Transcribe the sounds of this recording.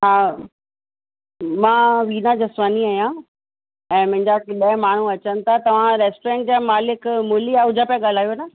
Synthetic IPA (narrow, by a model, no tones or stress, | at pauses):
ɦaː | mãːʋiːnad͡ʑɐsʋaːniaːjã | ɛ̃ːmʊ̃ɦɪ̃ɲd͡ʑakɗɐ̃maːɳ̤uɐt͡ɕənɪ̆t̪ʰat̪ɐʋ̤ãɾeːsʈɾẽŋʈ̚d͡ʑamaːlɪkmʊlijaʊd͡ʑʱapaɠaːl̤aːjona